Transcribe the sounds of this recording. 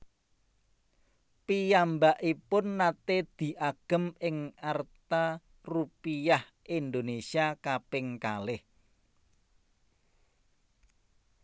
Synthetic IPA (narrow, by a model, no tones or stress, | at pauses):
pijambaʔipʊnːat̪ed̪̥i̤ʔaɡ̥ə̤mɪŋart̪a | rupijah | ʔind̪onesiakapɪŋkalɪh